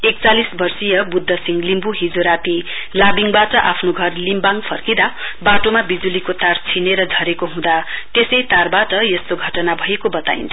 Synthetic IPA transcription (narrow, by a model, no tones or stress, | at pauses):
ek̚t͡salisbʌrsijʌbud̪ʱːʌsiŋlimbuɦid͡zoɾapi | labiŋbaʈʌʔapʰnoɡʱʌrlimbaŋpʰʌrkid̪a | baʈomabid͡zulikot̪art͡sʰineɾʌd͡zʱʌɾekoɦũd̪at̪esʌjt̪arbaʈʌjʌst̪oɡʱʌʈʌnabʱʌjekobʌt̪a̰ḭnt͡sʰʌ